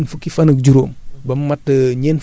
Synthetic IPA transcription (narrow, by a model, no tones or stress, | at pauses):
nfukːifɐnək̚d͡ʒuɾoːmbɐmːɐtːəɲɛːn